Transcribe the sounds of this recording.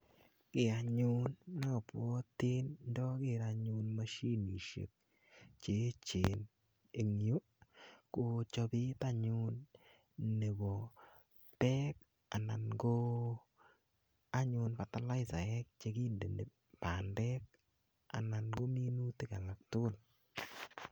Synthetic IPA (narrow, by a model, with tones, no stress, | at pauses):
kɪ˨a˨ɲʊ˦nːa˦˨pɔ˦te˦nndɔ˦kɪ˨ɾaɲʊ˧nma˦ʃi˦ni˨ʃḛ˨k̚ | t͡ʃe˨˦t͡ʃe˨n | e˨ŋ˦o˦ | ko˨t͡ʃɔ˧bi˦ta˦ɲʊ˦n | nːe˨bɔ˨ | tɛ˦k̚ | a˨na˨nɡo˦ | a˦ɲʊ˧npa˨ta˦la˦jsa˨ɛ˦k̚t͡ʃe˦ki˦nde˨ne˨ | pa˨ndɛ˦k̚ | a̰˨na˨nɡo˦mi˦nu˦ti˦ka˨la˨k̚tʊ˦ʊ˦˨l